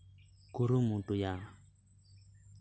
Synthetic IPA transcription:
kuɾumũtuja

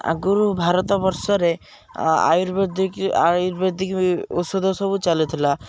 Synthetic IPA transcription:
a̰ɡuɾubʱaɾɔt̪ɔbɔɾsɔɾe | a̰juɾbd̪ikajuɾbeɾd̪ʱikṵsɔd̪ʱɔsɔbut͡ʃalet̪ʰila

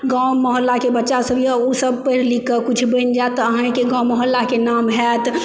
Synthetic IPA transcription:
ɡãwməɦəlːakebətːʃasəbʱiɔosəbpəɦɾlikːəkut͡ʃʰbə̃nd͡ʒat̪ːəɦãkeɡãməɦəlːakenamɦɛt̪

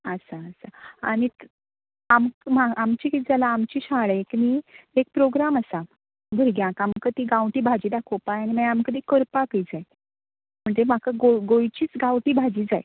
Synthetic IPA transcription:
əsaəsaa̰ɽ̃i | amkmaamt͡ɕikit̪d͡zalaːmt͡ɕiːɕaɭekniek̚pɾoɡɾaməsa | bʱəɾɡjãkamkət̪iːɡãwʈiːbʱad͡ʑiːd̪akʰopajañimajamkət̪iːkəɾpakəjd͡zaj | m̤əɳd͡zem̤akaɡoɡojt͡ɕiːt͡sɡawʈiːbʱad͡ʑiːd͡zaj

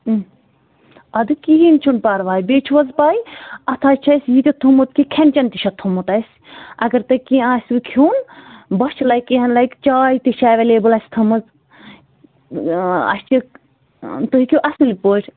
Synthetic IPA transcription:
ɐd̪ɨkiɦint͡ʃʰunpaːɾʋaːjbeːt͡ʃʰuʋɐzpaːjiɐt̪ʰaːt͡ʃʰɐsʲjit̪ʲit̪ʰumut̪̚kʰikʰenʲt͡ʃɐnt̪iʃɐt̪ʰumut̪ɐjsʲ | ɐɡɐɾt̪ɐkiãːsʲʋɨkʰjuːnbɐʃt͡ʃʰilɐjkːiɦɐnlɐjkt͡ʃaːjit̪iʃaːʋeleːbulɐsʲt̪ʰɐmɐz | ɐ̰st͡ʃi | t̪oɦikʰʲuʔɐsɨlipoːʈʰʲ

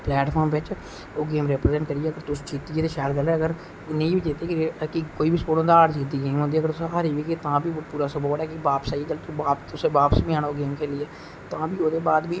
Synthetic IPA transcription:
plɛːʈpʰɔːɾmʋɪt͡ʃ | oːɡeːmɾɛːpɾzɛɳʈkəɾiːɛːəɡəɾt̪ʊst͡ʃiːt̪iːeːt̪eːʃɛːlɡəlːɛːəɡəɾ | nẽibiːd͡ʒeːt̪eːkɪkikoːiːbiːspoːɽõːnd̪aːaːɽd͡ʒid̪iːɡeːmõːnd̪iːəɡəɾt̪ʊsɦaɾiːʋiːket̪ãːbiːpuːɾaːsoboːəɽɛːkɪbaːpsaːiːɡəlːkːbaːpt̪ʊseːbaːpəsbĩːãːnaːoːɡeːmkʰeːliːɛː | t̪ãːbiːoːd̪eːbaːd̪biː

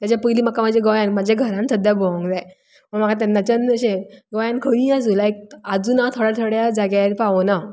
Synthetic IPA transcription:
t̪jat͡ɕjapəjliːməkːamad͡ʑeɡɔjãnmad͡ʑʱaɡʱəɾãnsəd̪ʱjabɔ̃ŋɡd͡zaj | məɳmakʰat̪̬anːat͡ɕanəɕẽɡɔjãnkʰəʋĩad͡zulaek̚ad͡zuːnat̪ʰoɽat̪ʰəɽjad͡zaɡjaɾpaʋona

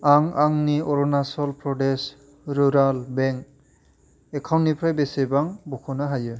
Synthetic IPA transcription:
aŋaŋniɔɾɔnasɔlpɾɔdes | ɾuɾalbɛŋk | ekʰawnnipʰɾajbesebaŋbɔkʰɔnaɦajɯ

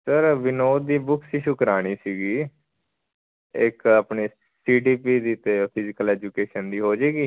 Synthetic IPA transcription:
səɾʋɪnoːd̪ːiːbʊkʰsiːʃʊkɾaːɽ̃iːsiːɡiː | ɪkaːpɳeː | siːɖiːpiːd̪iːt̪eːpʰɪzɪkəlɛːd͡ʒuːkeːʃənd̪iːɦoːd͡ʒeːɡiː

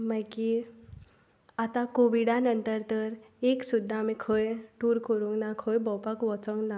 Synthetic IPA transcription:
maki | at̪akoʋiɽanənt̪əɾt̪əɾeksud̪ʱːaːmikʰəjʈuɾkəɾuŋɡnakʰəjbɔpakʋɔt͡səŋɡna

